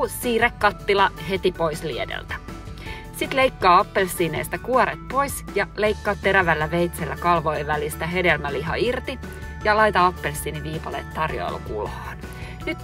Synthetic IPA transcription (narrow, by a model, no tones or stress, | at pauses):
sːiːrekːɑt̪ːilɑɦe̞t̪ipo̞isliedḛlt̪æ̥ | sit̪leikːɑːɑpːelsːiːneːst̪ækuoɾet̪̚po̞jsjɑleikːɑːt̪ːe̞ɾæʋælːæʋejt̪selːækɑlʋojʋælist̪æɦedelmæliɦɑ̰irt̪i | jɑlɑjt̪ɑɑpːelsːiːniʋiːpɑlḛːt̪t̪ːɑrjo̰ːlṵkṵlhɑːn | nyt̪